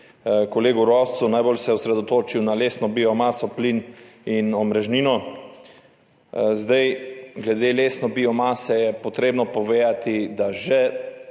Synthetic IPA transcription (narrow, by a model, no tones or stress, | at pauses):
koleːɡuɾɔw̪sunajbolsɛɔsɾɛd̪ot̪oːt͡ʃiwnaleːsnɔbiɔmaːsɔpliːninɔmɾɛʒniːnɔ | zd̪ajɡlɛd̪eːleːsnɔbiːɔmaːsɛjɛpot̪ɾeːbnɔpɔʋeːat̪id̪aʒɛ